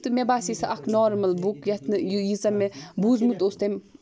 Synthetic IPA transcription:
t̪ɨmebaːsisɐʔɐkʰnɔːɾmɐlbukjɐt̪ʰnɨjjit͡sɐmebuzmut̪ost̪ɐm

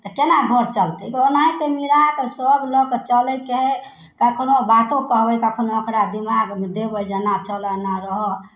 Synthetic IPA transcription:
t̪ɔkenaɡʱəɾt͡ʃəlt̪ɛkonaɦĩt̪emiɾat̪ɔsəblɔket͡ʃəlɛkeɦe | kakʰnobat̪õkəɦbɛkakʰnoəkɾad̪imaɡd̪ebəd͡ʒanat͡ʃələnaɾəɦɔ

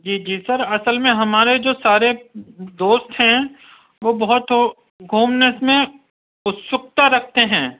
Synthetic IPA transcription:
d͡ʒiːd͡ʒiːsɐɾɐsəlmẽɦɐmaːɾed͡ʒoːsaːɾed̪oːst̪ɦɛ̃ | ʋobɐɦʊt̪ɦ | ɡʱuːmnəsmẽ | ʊt̪sʊk̚t̪aɾɐkʰt̪eɦɛ̃ː

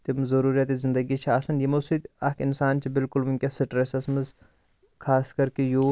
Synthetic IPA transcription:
t̪imzɐɾuːɾijɐt̪izɪnd̪ɐɡit͡ʃʰiaːsɐnjimɐsut̪aːkinsaːnt͡ʃʰibɪlkʊlmuŋʲkʲɐsiʈɾesɐsmɨz | kʰaːskɐɾkejoː

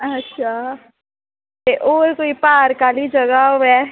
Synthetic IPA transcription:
ɐtːʃʰaː | t̪eʔoːɾkoːipaːɾkaːlid͡ʒɐɡaoɛː

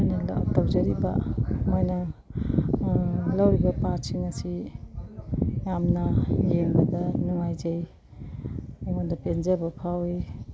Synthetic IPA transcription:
mojnɐl̰̚tawzɐɾiba̰mojnɐ | lawɾibɐpat̚siŋɐsi | jamnɐjeŋbɐdɐnuŋajzej | ajmondɐpenzabɐpʰawi

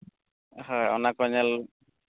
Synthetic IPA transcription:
hɔjɔ̰nakɔɲɛl

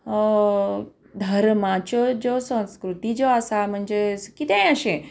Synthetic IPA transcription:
d̪ʱəɾmãt͡ʃod͡ʑosə̃ñskɾut̪id͡ʒoəsam̤əɳd͡zekit̪ẽjəʃẽ

